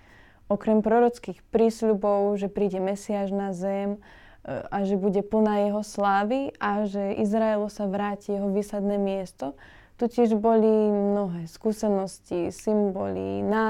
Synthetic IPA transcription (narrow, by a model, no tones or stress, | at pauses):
ɔkɾɛmpɾɔɾɔt͡skixpɾiːsʎubɔʊʒɛpɾiːɟɛmɛsiaʒnazɛm | aʒɛbuɟɛpl̩najɛɦɔslaːʋiʔaʒɛizɾaɛlɔsaʋɾaːcijɛɦɔʋiːsad̪nɛːmɪɛst̪ɔ | t̪ucɪɛʒbɔlimnɔɦɛːskuːsɛnɔscisimbɔlḭna